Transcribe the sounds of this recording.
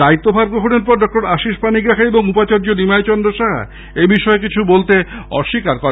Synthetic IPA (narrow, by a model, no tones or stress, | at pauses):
d̪ait̪ːobʱaɾbɾokʰoneɾpɔɾɖɔk̚ʈoɾaʃiʃpanikɾakʰaeboŋupat͡ɕaɾd͡ʑonimajt͡ɕɔnd̪ɾoʃaɦ | ebiʃɔekit͡ɕʰubolt̪eɔ̰ʃːikaɾkɔɾ